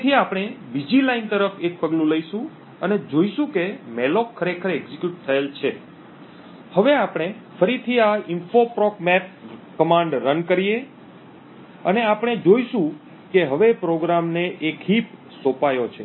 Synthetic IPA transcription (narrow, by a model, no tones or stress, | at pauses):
t̪ʰiapɽ̃ebid͡ʒilaint̪əɾəfek̚pəɡlũləiʃũ | əned͡ʒoiʃũkemɛlokʰːəɾekʰəɾeɡzikjuʈ̚t̪ʰəelt͡ʃʰe | həʋeapɳ̃efəɾit̪ʰiaɪnfopɾɔkmɛp̚kəmãɳɖːənkəɾije | əneapɽ̃ed͡ʒoiʃũ | keɦəʋepɾoɡɾamneʔekɦip | sopajot͡ʃʰe